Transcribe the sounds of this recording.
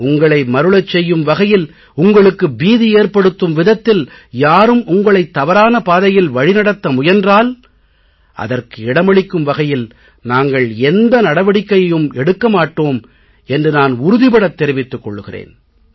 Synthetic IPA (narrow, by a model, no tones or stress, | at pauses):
ʊŋɡɐɭɐɪmɐɾɯɭɐt͡ʃːɛjːɯmʋɐɣɐjɪl | ʊŋɡɐɭɯkːɯbiːðieːrpɐɽɯt̪ːɯmʋɪðɐt̪ːɪljaːɾɯmʊŋɡɐɭɐɪt̪ːɐʋɐɾaːnɐpaːðɐjɪlʋɐɻɪnɐɽɐt̪ːɐmʊjɐndraːl | ʔɐ̰ðɐrkɯɪɽɐmɐɭɪkːɯmʋɐɣɐjɪl | naːŋɡɐɭɛnd̪ɐnɐɽɐʋɐɽɪkːɐjɐjɯmɛɽɯkːɐmaːʈːoːm | ɛndrɯnaːnʊɾʊðɪpɐɽɐt̪ːɛɾɪʋɪt̪ːɯkːɔ̰ɭːɯɣɪrḛːn